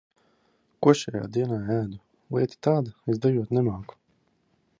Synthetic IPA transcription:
kuɔʃɛja̰ːd̪iɛnaːæːd̪u | lˠiɛt̪ʲi̥t̪aːd̪aesd̪ajuɔt̪nɛmaːku̥

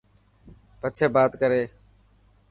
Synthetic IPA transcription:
pət͡ʃʰeːbaːt̪kəɾeː

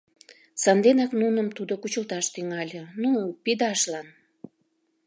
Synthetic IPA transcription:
sɑnd̪enɑknunəmt̪ud̪okut͡ɕəlt̪ɑʃt̪yŋɑlʲənupid̪ɑʃlɑn

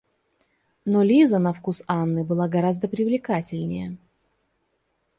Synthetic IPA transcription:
nolʲizənɐfkusanːɨbɨlˠaɡɐɾazd̪əpɾʲɪvlʲɪkatʲɪlʲnʲɪjə

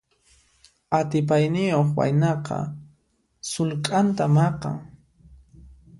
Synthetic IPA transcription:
at̪ɪp̬ajnɪjoχwa̰jnɑqɑ̰ | sʊlkʼant̪amɑqɑ̰ŋ

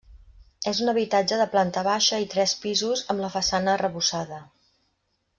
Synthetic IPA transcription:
ezunəβ̞it̪ad͡ʒəðəplant̪əβaʃəit̪ɾɛspizuzəmləfəsanəːrəβusaðə

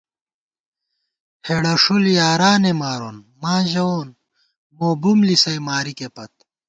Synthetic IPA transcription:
heɽɐʂuljaːɾaːnemaːɾoːn | mãːʑɐoːn | moːbumlisɐjmaːɾikepɐt̪̚

